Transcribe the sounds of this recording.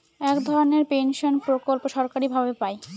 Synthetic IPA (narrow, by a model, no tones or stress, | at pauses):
ɛkd̪ʱɔɾoneɾpenʃonpɾokolpoʃɔɾkaɾibʱabepaj